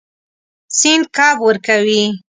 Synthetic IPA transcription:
sɪnd̪̚kɑbwəɾkawi

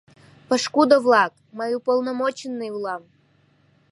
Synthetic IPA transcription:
pəʃkud̪əvlˠɑk̚ | majupolˠnɐmot͡ɕɪnːɨjulˠɑm

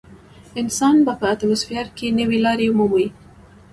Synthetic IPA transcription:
ɪnsɑnbapəat̪amʊsfijɑɾkenəwelɑɾeumuməwi

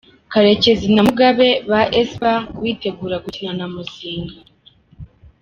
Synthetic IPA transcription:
kaɾe̞ce̞zinamuɡaβe̞βaʔesβawiːte̞ɡuːɾaɡucinanamuziːŋɡa

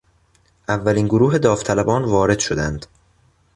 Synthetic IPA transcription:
ʔævːæliːnɡoɾuːɦe̞d̪ɒːft̪ʰælæbɒːnvɒːɾe̞d̪̥ʃo̞d̪ænd̪̥

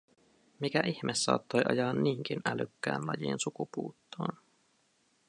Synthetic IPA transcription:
mikæʔiçmʔesːɑ̰ːt̪ːo̞jʔɑ̰jɑːnːiːŋk̟inælykːæ̰ːnlɑjiːnsukupuːt̪ːo̰ːn

